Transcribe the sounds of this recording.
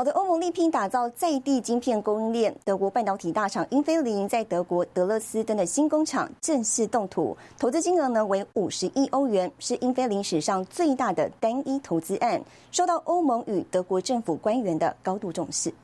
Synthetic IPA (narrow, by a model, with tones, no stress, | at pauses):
ɑ˨˩ʊd̪ə˦ʔo˥ʊmɤ˧ŋli˥˩pʰi˥˩ŋt̪a˨˩t͡sɑ˥˧ʊt͡sa˥˧ɪt̪i˥˩t͡ɕi˥ŋpʰjɛ˥˩nko˥ŋi˥nljɛ˥˩nt̪ɤ˧˥kwɔ˧˥pa˥˩nt̪ɑ˧˥ʊt̪ʰi˨˩t̪a˥˩ʈ͡ʂʰɑ˨˩ŋi˥nfe˥ɪli˧˥ŋt͡sa˥˩ɪt̪ɤ˧˥kwɔ˧˥t̪ɤ˧˥lɤ˥˩sɹ̩˥t̪ə˥nd̪ə˨˩ɕi˥nkʊ˥ŋʈ͡ʂʰɑ̰˨˩ŋʈ͡ʂə˥˧ŋʂɻ̩˥˧t̪ʊ˥˩ŋt̪ʰṵ˨˩˦t̪ʰo˧˥t͡sɹ̩˥t͡ɕi˥ŋə˧˥nə˧we˧˥ɪu˨˩ʂɻ̩˧˥ʔi˥ʔo˥ʊɥɛ˧˥nʂɻ̩˥˩ʔi˥nfe˥ɪli˧˥ŋʂɻ̩˨˩ʂɑ˥˧ŋt͡swe˥˧ɪt̪a˥˩d̪ə̰˩t̪a˥ni˥t̪ʰo˧˥ʊt͡sɹ̩˥ʔa˥˩n | ʂo˥˧ʊt̪ɑ˥˩ʔo˥ʊmɤ˧˥ŋy˨˩t̪ɤ˧˥kwɔ˧˥ʈ͡ʂɤ˥˩ŋfu˨˩kwa˥nɥɛ˧˥nd̪ə̰˧kɑ˥ʊt̪u˥˧ʈ͡ʂʊ̰˥˧ŋʂɻ̩˥˩